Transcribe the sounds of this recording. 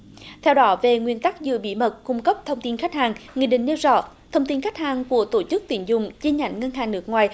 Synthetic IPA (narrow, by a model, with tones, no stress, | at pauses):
t̪ʰɛ˧wɗɔ˨˦ve˨˩ŋwi˧ənt̪a˦˥k̚zɨ̰˧˨əɓḭ˧˩mə˨˩t̚kʊ˧ŋ͡mkə˦˥p̚t̪ʰə˧wŋ͡mt̪i˧nxa˦˥k̟̚haː˨˩ŋŋḭ˨˧˩ɗï˧˨ŋ̟ɗi˧wzɔ̰˧˩˨ | t̪ʰə˧wŋ͡mt̪i˧nxa˦˥k̟̚haː˨˩ŋku˧˩ət̪o˧˩t͡ɕɨ˦˥k̚t̪i˧˩ənzʊ˨˩ŋ͡mt͡ɕi˧ɲa̰˧˩jŋ̟ŋə˧nɦaː˨˩ŋnɨ˦˥ək̚ŋwaː˨˩j